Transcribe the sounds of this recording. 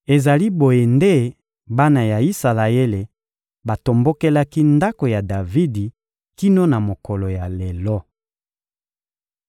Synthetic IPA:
e˨za˨li˦bo˨je˨nde˦ | ba˦na˨ja˨i˦sa˨la˨e˦le˨ | ba˨to˨mbo˦ke˦la˦ki˦nda˦ko˨ja˨da˨vi˦di˨ | ki˦no˦na˨mo˨kɔ˨lo˨ja˨le˨lɔ˦

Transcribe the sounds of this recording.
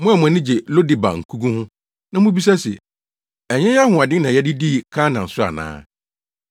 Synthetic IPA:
mʊ̃˦ɛ˨mʊ̃˨ɛ˨nɪ̃˦d͡ʑɛ˨lo˦dɪ˨ba̰˨ŋ̩˨kʰu˦ɡũ˦hʊ̃˦ | nã˦mʊ̃˦bi˦s̬a˦sɛ̰˨ | ɛ˨ɲɛ̃˦a˦hʊ̃˨a˨dɪ˦nã˨jɛ˦dɪ˦di˦˨kʰã˦nã˨n̩˨sʊ˦a̰˨nã̰ː˦

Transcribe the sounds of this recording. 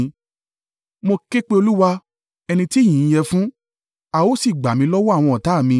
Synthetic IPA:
mo˧ke˦k͡pe˦o˧lu˦wa˧ | ɛ˧nĩ˧ti˦j̃ĩ˨˦jɛ˧fũ˦ | a˨o˦si˦˨ɡ͡ba˨mĩ˧˦lɔ˦wɔ˦a˦˨w̃ɔ̃˧ɔ˨ta˨˦˨mĩ˧

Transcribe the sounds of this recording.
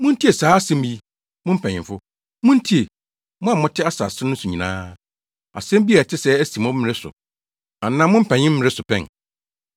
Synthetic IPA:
mʊ̃˦n̩˦tʰi˦e˨saː˨˦a˦sɛ̃˦m˦ji˦ | mʊ̃˦m̩˦pʰɛ̃˨ɲɪ̃˨mfʊ˦ | mʊ̃˦n̩˦tʰi˦e˨ | mʊ̃˦a˨mʊ̃˦tʰɪ˦a˦sa̰˨sɪ˦nʊ̃˦su˨ɲĩ˨nã̰ː˦ | a̰˨sɛ̃˦m˦bi˦a˨tʰɪ˦sɛ˦æ˦sĩ˨mɔ̃˦ɪ̃˨ɾɪ˦sʊ̰˨ | a˨nã˦mʊ̃˦m̩˦pʰɛ̃˨ɲɪ̃˦m̩˦mɪ̃˨ɾɪ˦sʊ˨pʰɛ̰̃˦˨n

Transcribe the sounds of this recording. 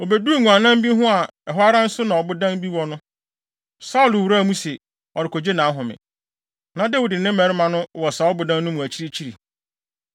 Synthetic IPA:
o˨be˨du˦˨ŋũ˨ã˨nã˦m˦bi˦ɦʊ̃˦a˨ɛ˨ɦʊ˦a˦ɾã˦n̩˦sʊ˦nã˨ɔ˨bʊ˦dã˦nbi˦wɔ˦nʊ̃˦ | sa˦ʊ˦˨lʊ˨wu˨ɾa˦˨mũ˦se˨ | ɔ˨ɾɪ˨kʰɔ˨d͡ʑe˦nã˨˦ɦʊ̃˨mɪ̰̃˨ | nã˨dɛ˦wu˨dɪ˨nɪ̃˦mɛ˨˦ɾɪ˦mã˨nʊ̃˦˨wɔ˨sa˨ɔ˦bʊ˨dã˦nː˦ʊ̃˦mʊ̃˨æ˨t͡ɕʰi˦ɾi˦t͡ɕʰi˦ɾi˨

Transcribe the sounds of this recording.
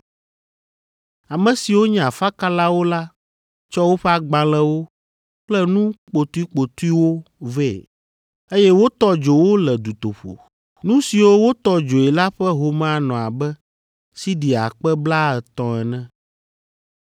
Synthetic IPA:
a˨mɛ̃˨si˨wo˦ɲɛ̃˦˨a˨fa˦ka˦la˦wo˦la˦ | t͡ʃɔ˦wo˦ɸɛ˦a˦ɡ͡bã˨lɛ˦wo˦ | k͡plɛ˦nũ˦k͡po˨t̪u˦i˦k͡po˨t̪u˦i˦wo˦vɛ˦˨ | e˦jɛ˦wo˦t̪ɔ˦d͡ʒo˨wo˦lɛ˨d̪u˨t̪o˨ɸo̰˨ | nũ˦si˨wo˦wo˦t̪ɔ˦d͡ʒo˨ɛ˨la˦ɸɛ˦ɦo˨mã˦nɔ̃˨a˨bɛ˦ | si˦di˨a̰˨k͡pɛ˦bla˦ɛ˨t̪ɔ̃˨ɛ˨nɛ̃˦

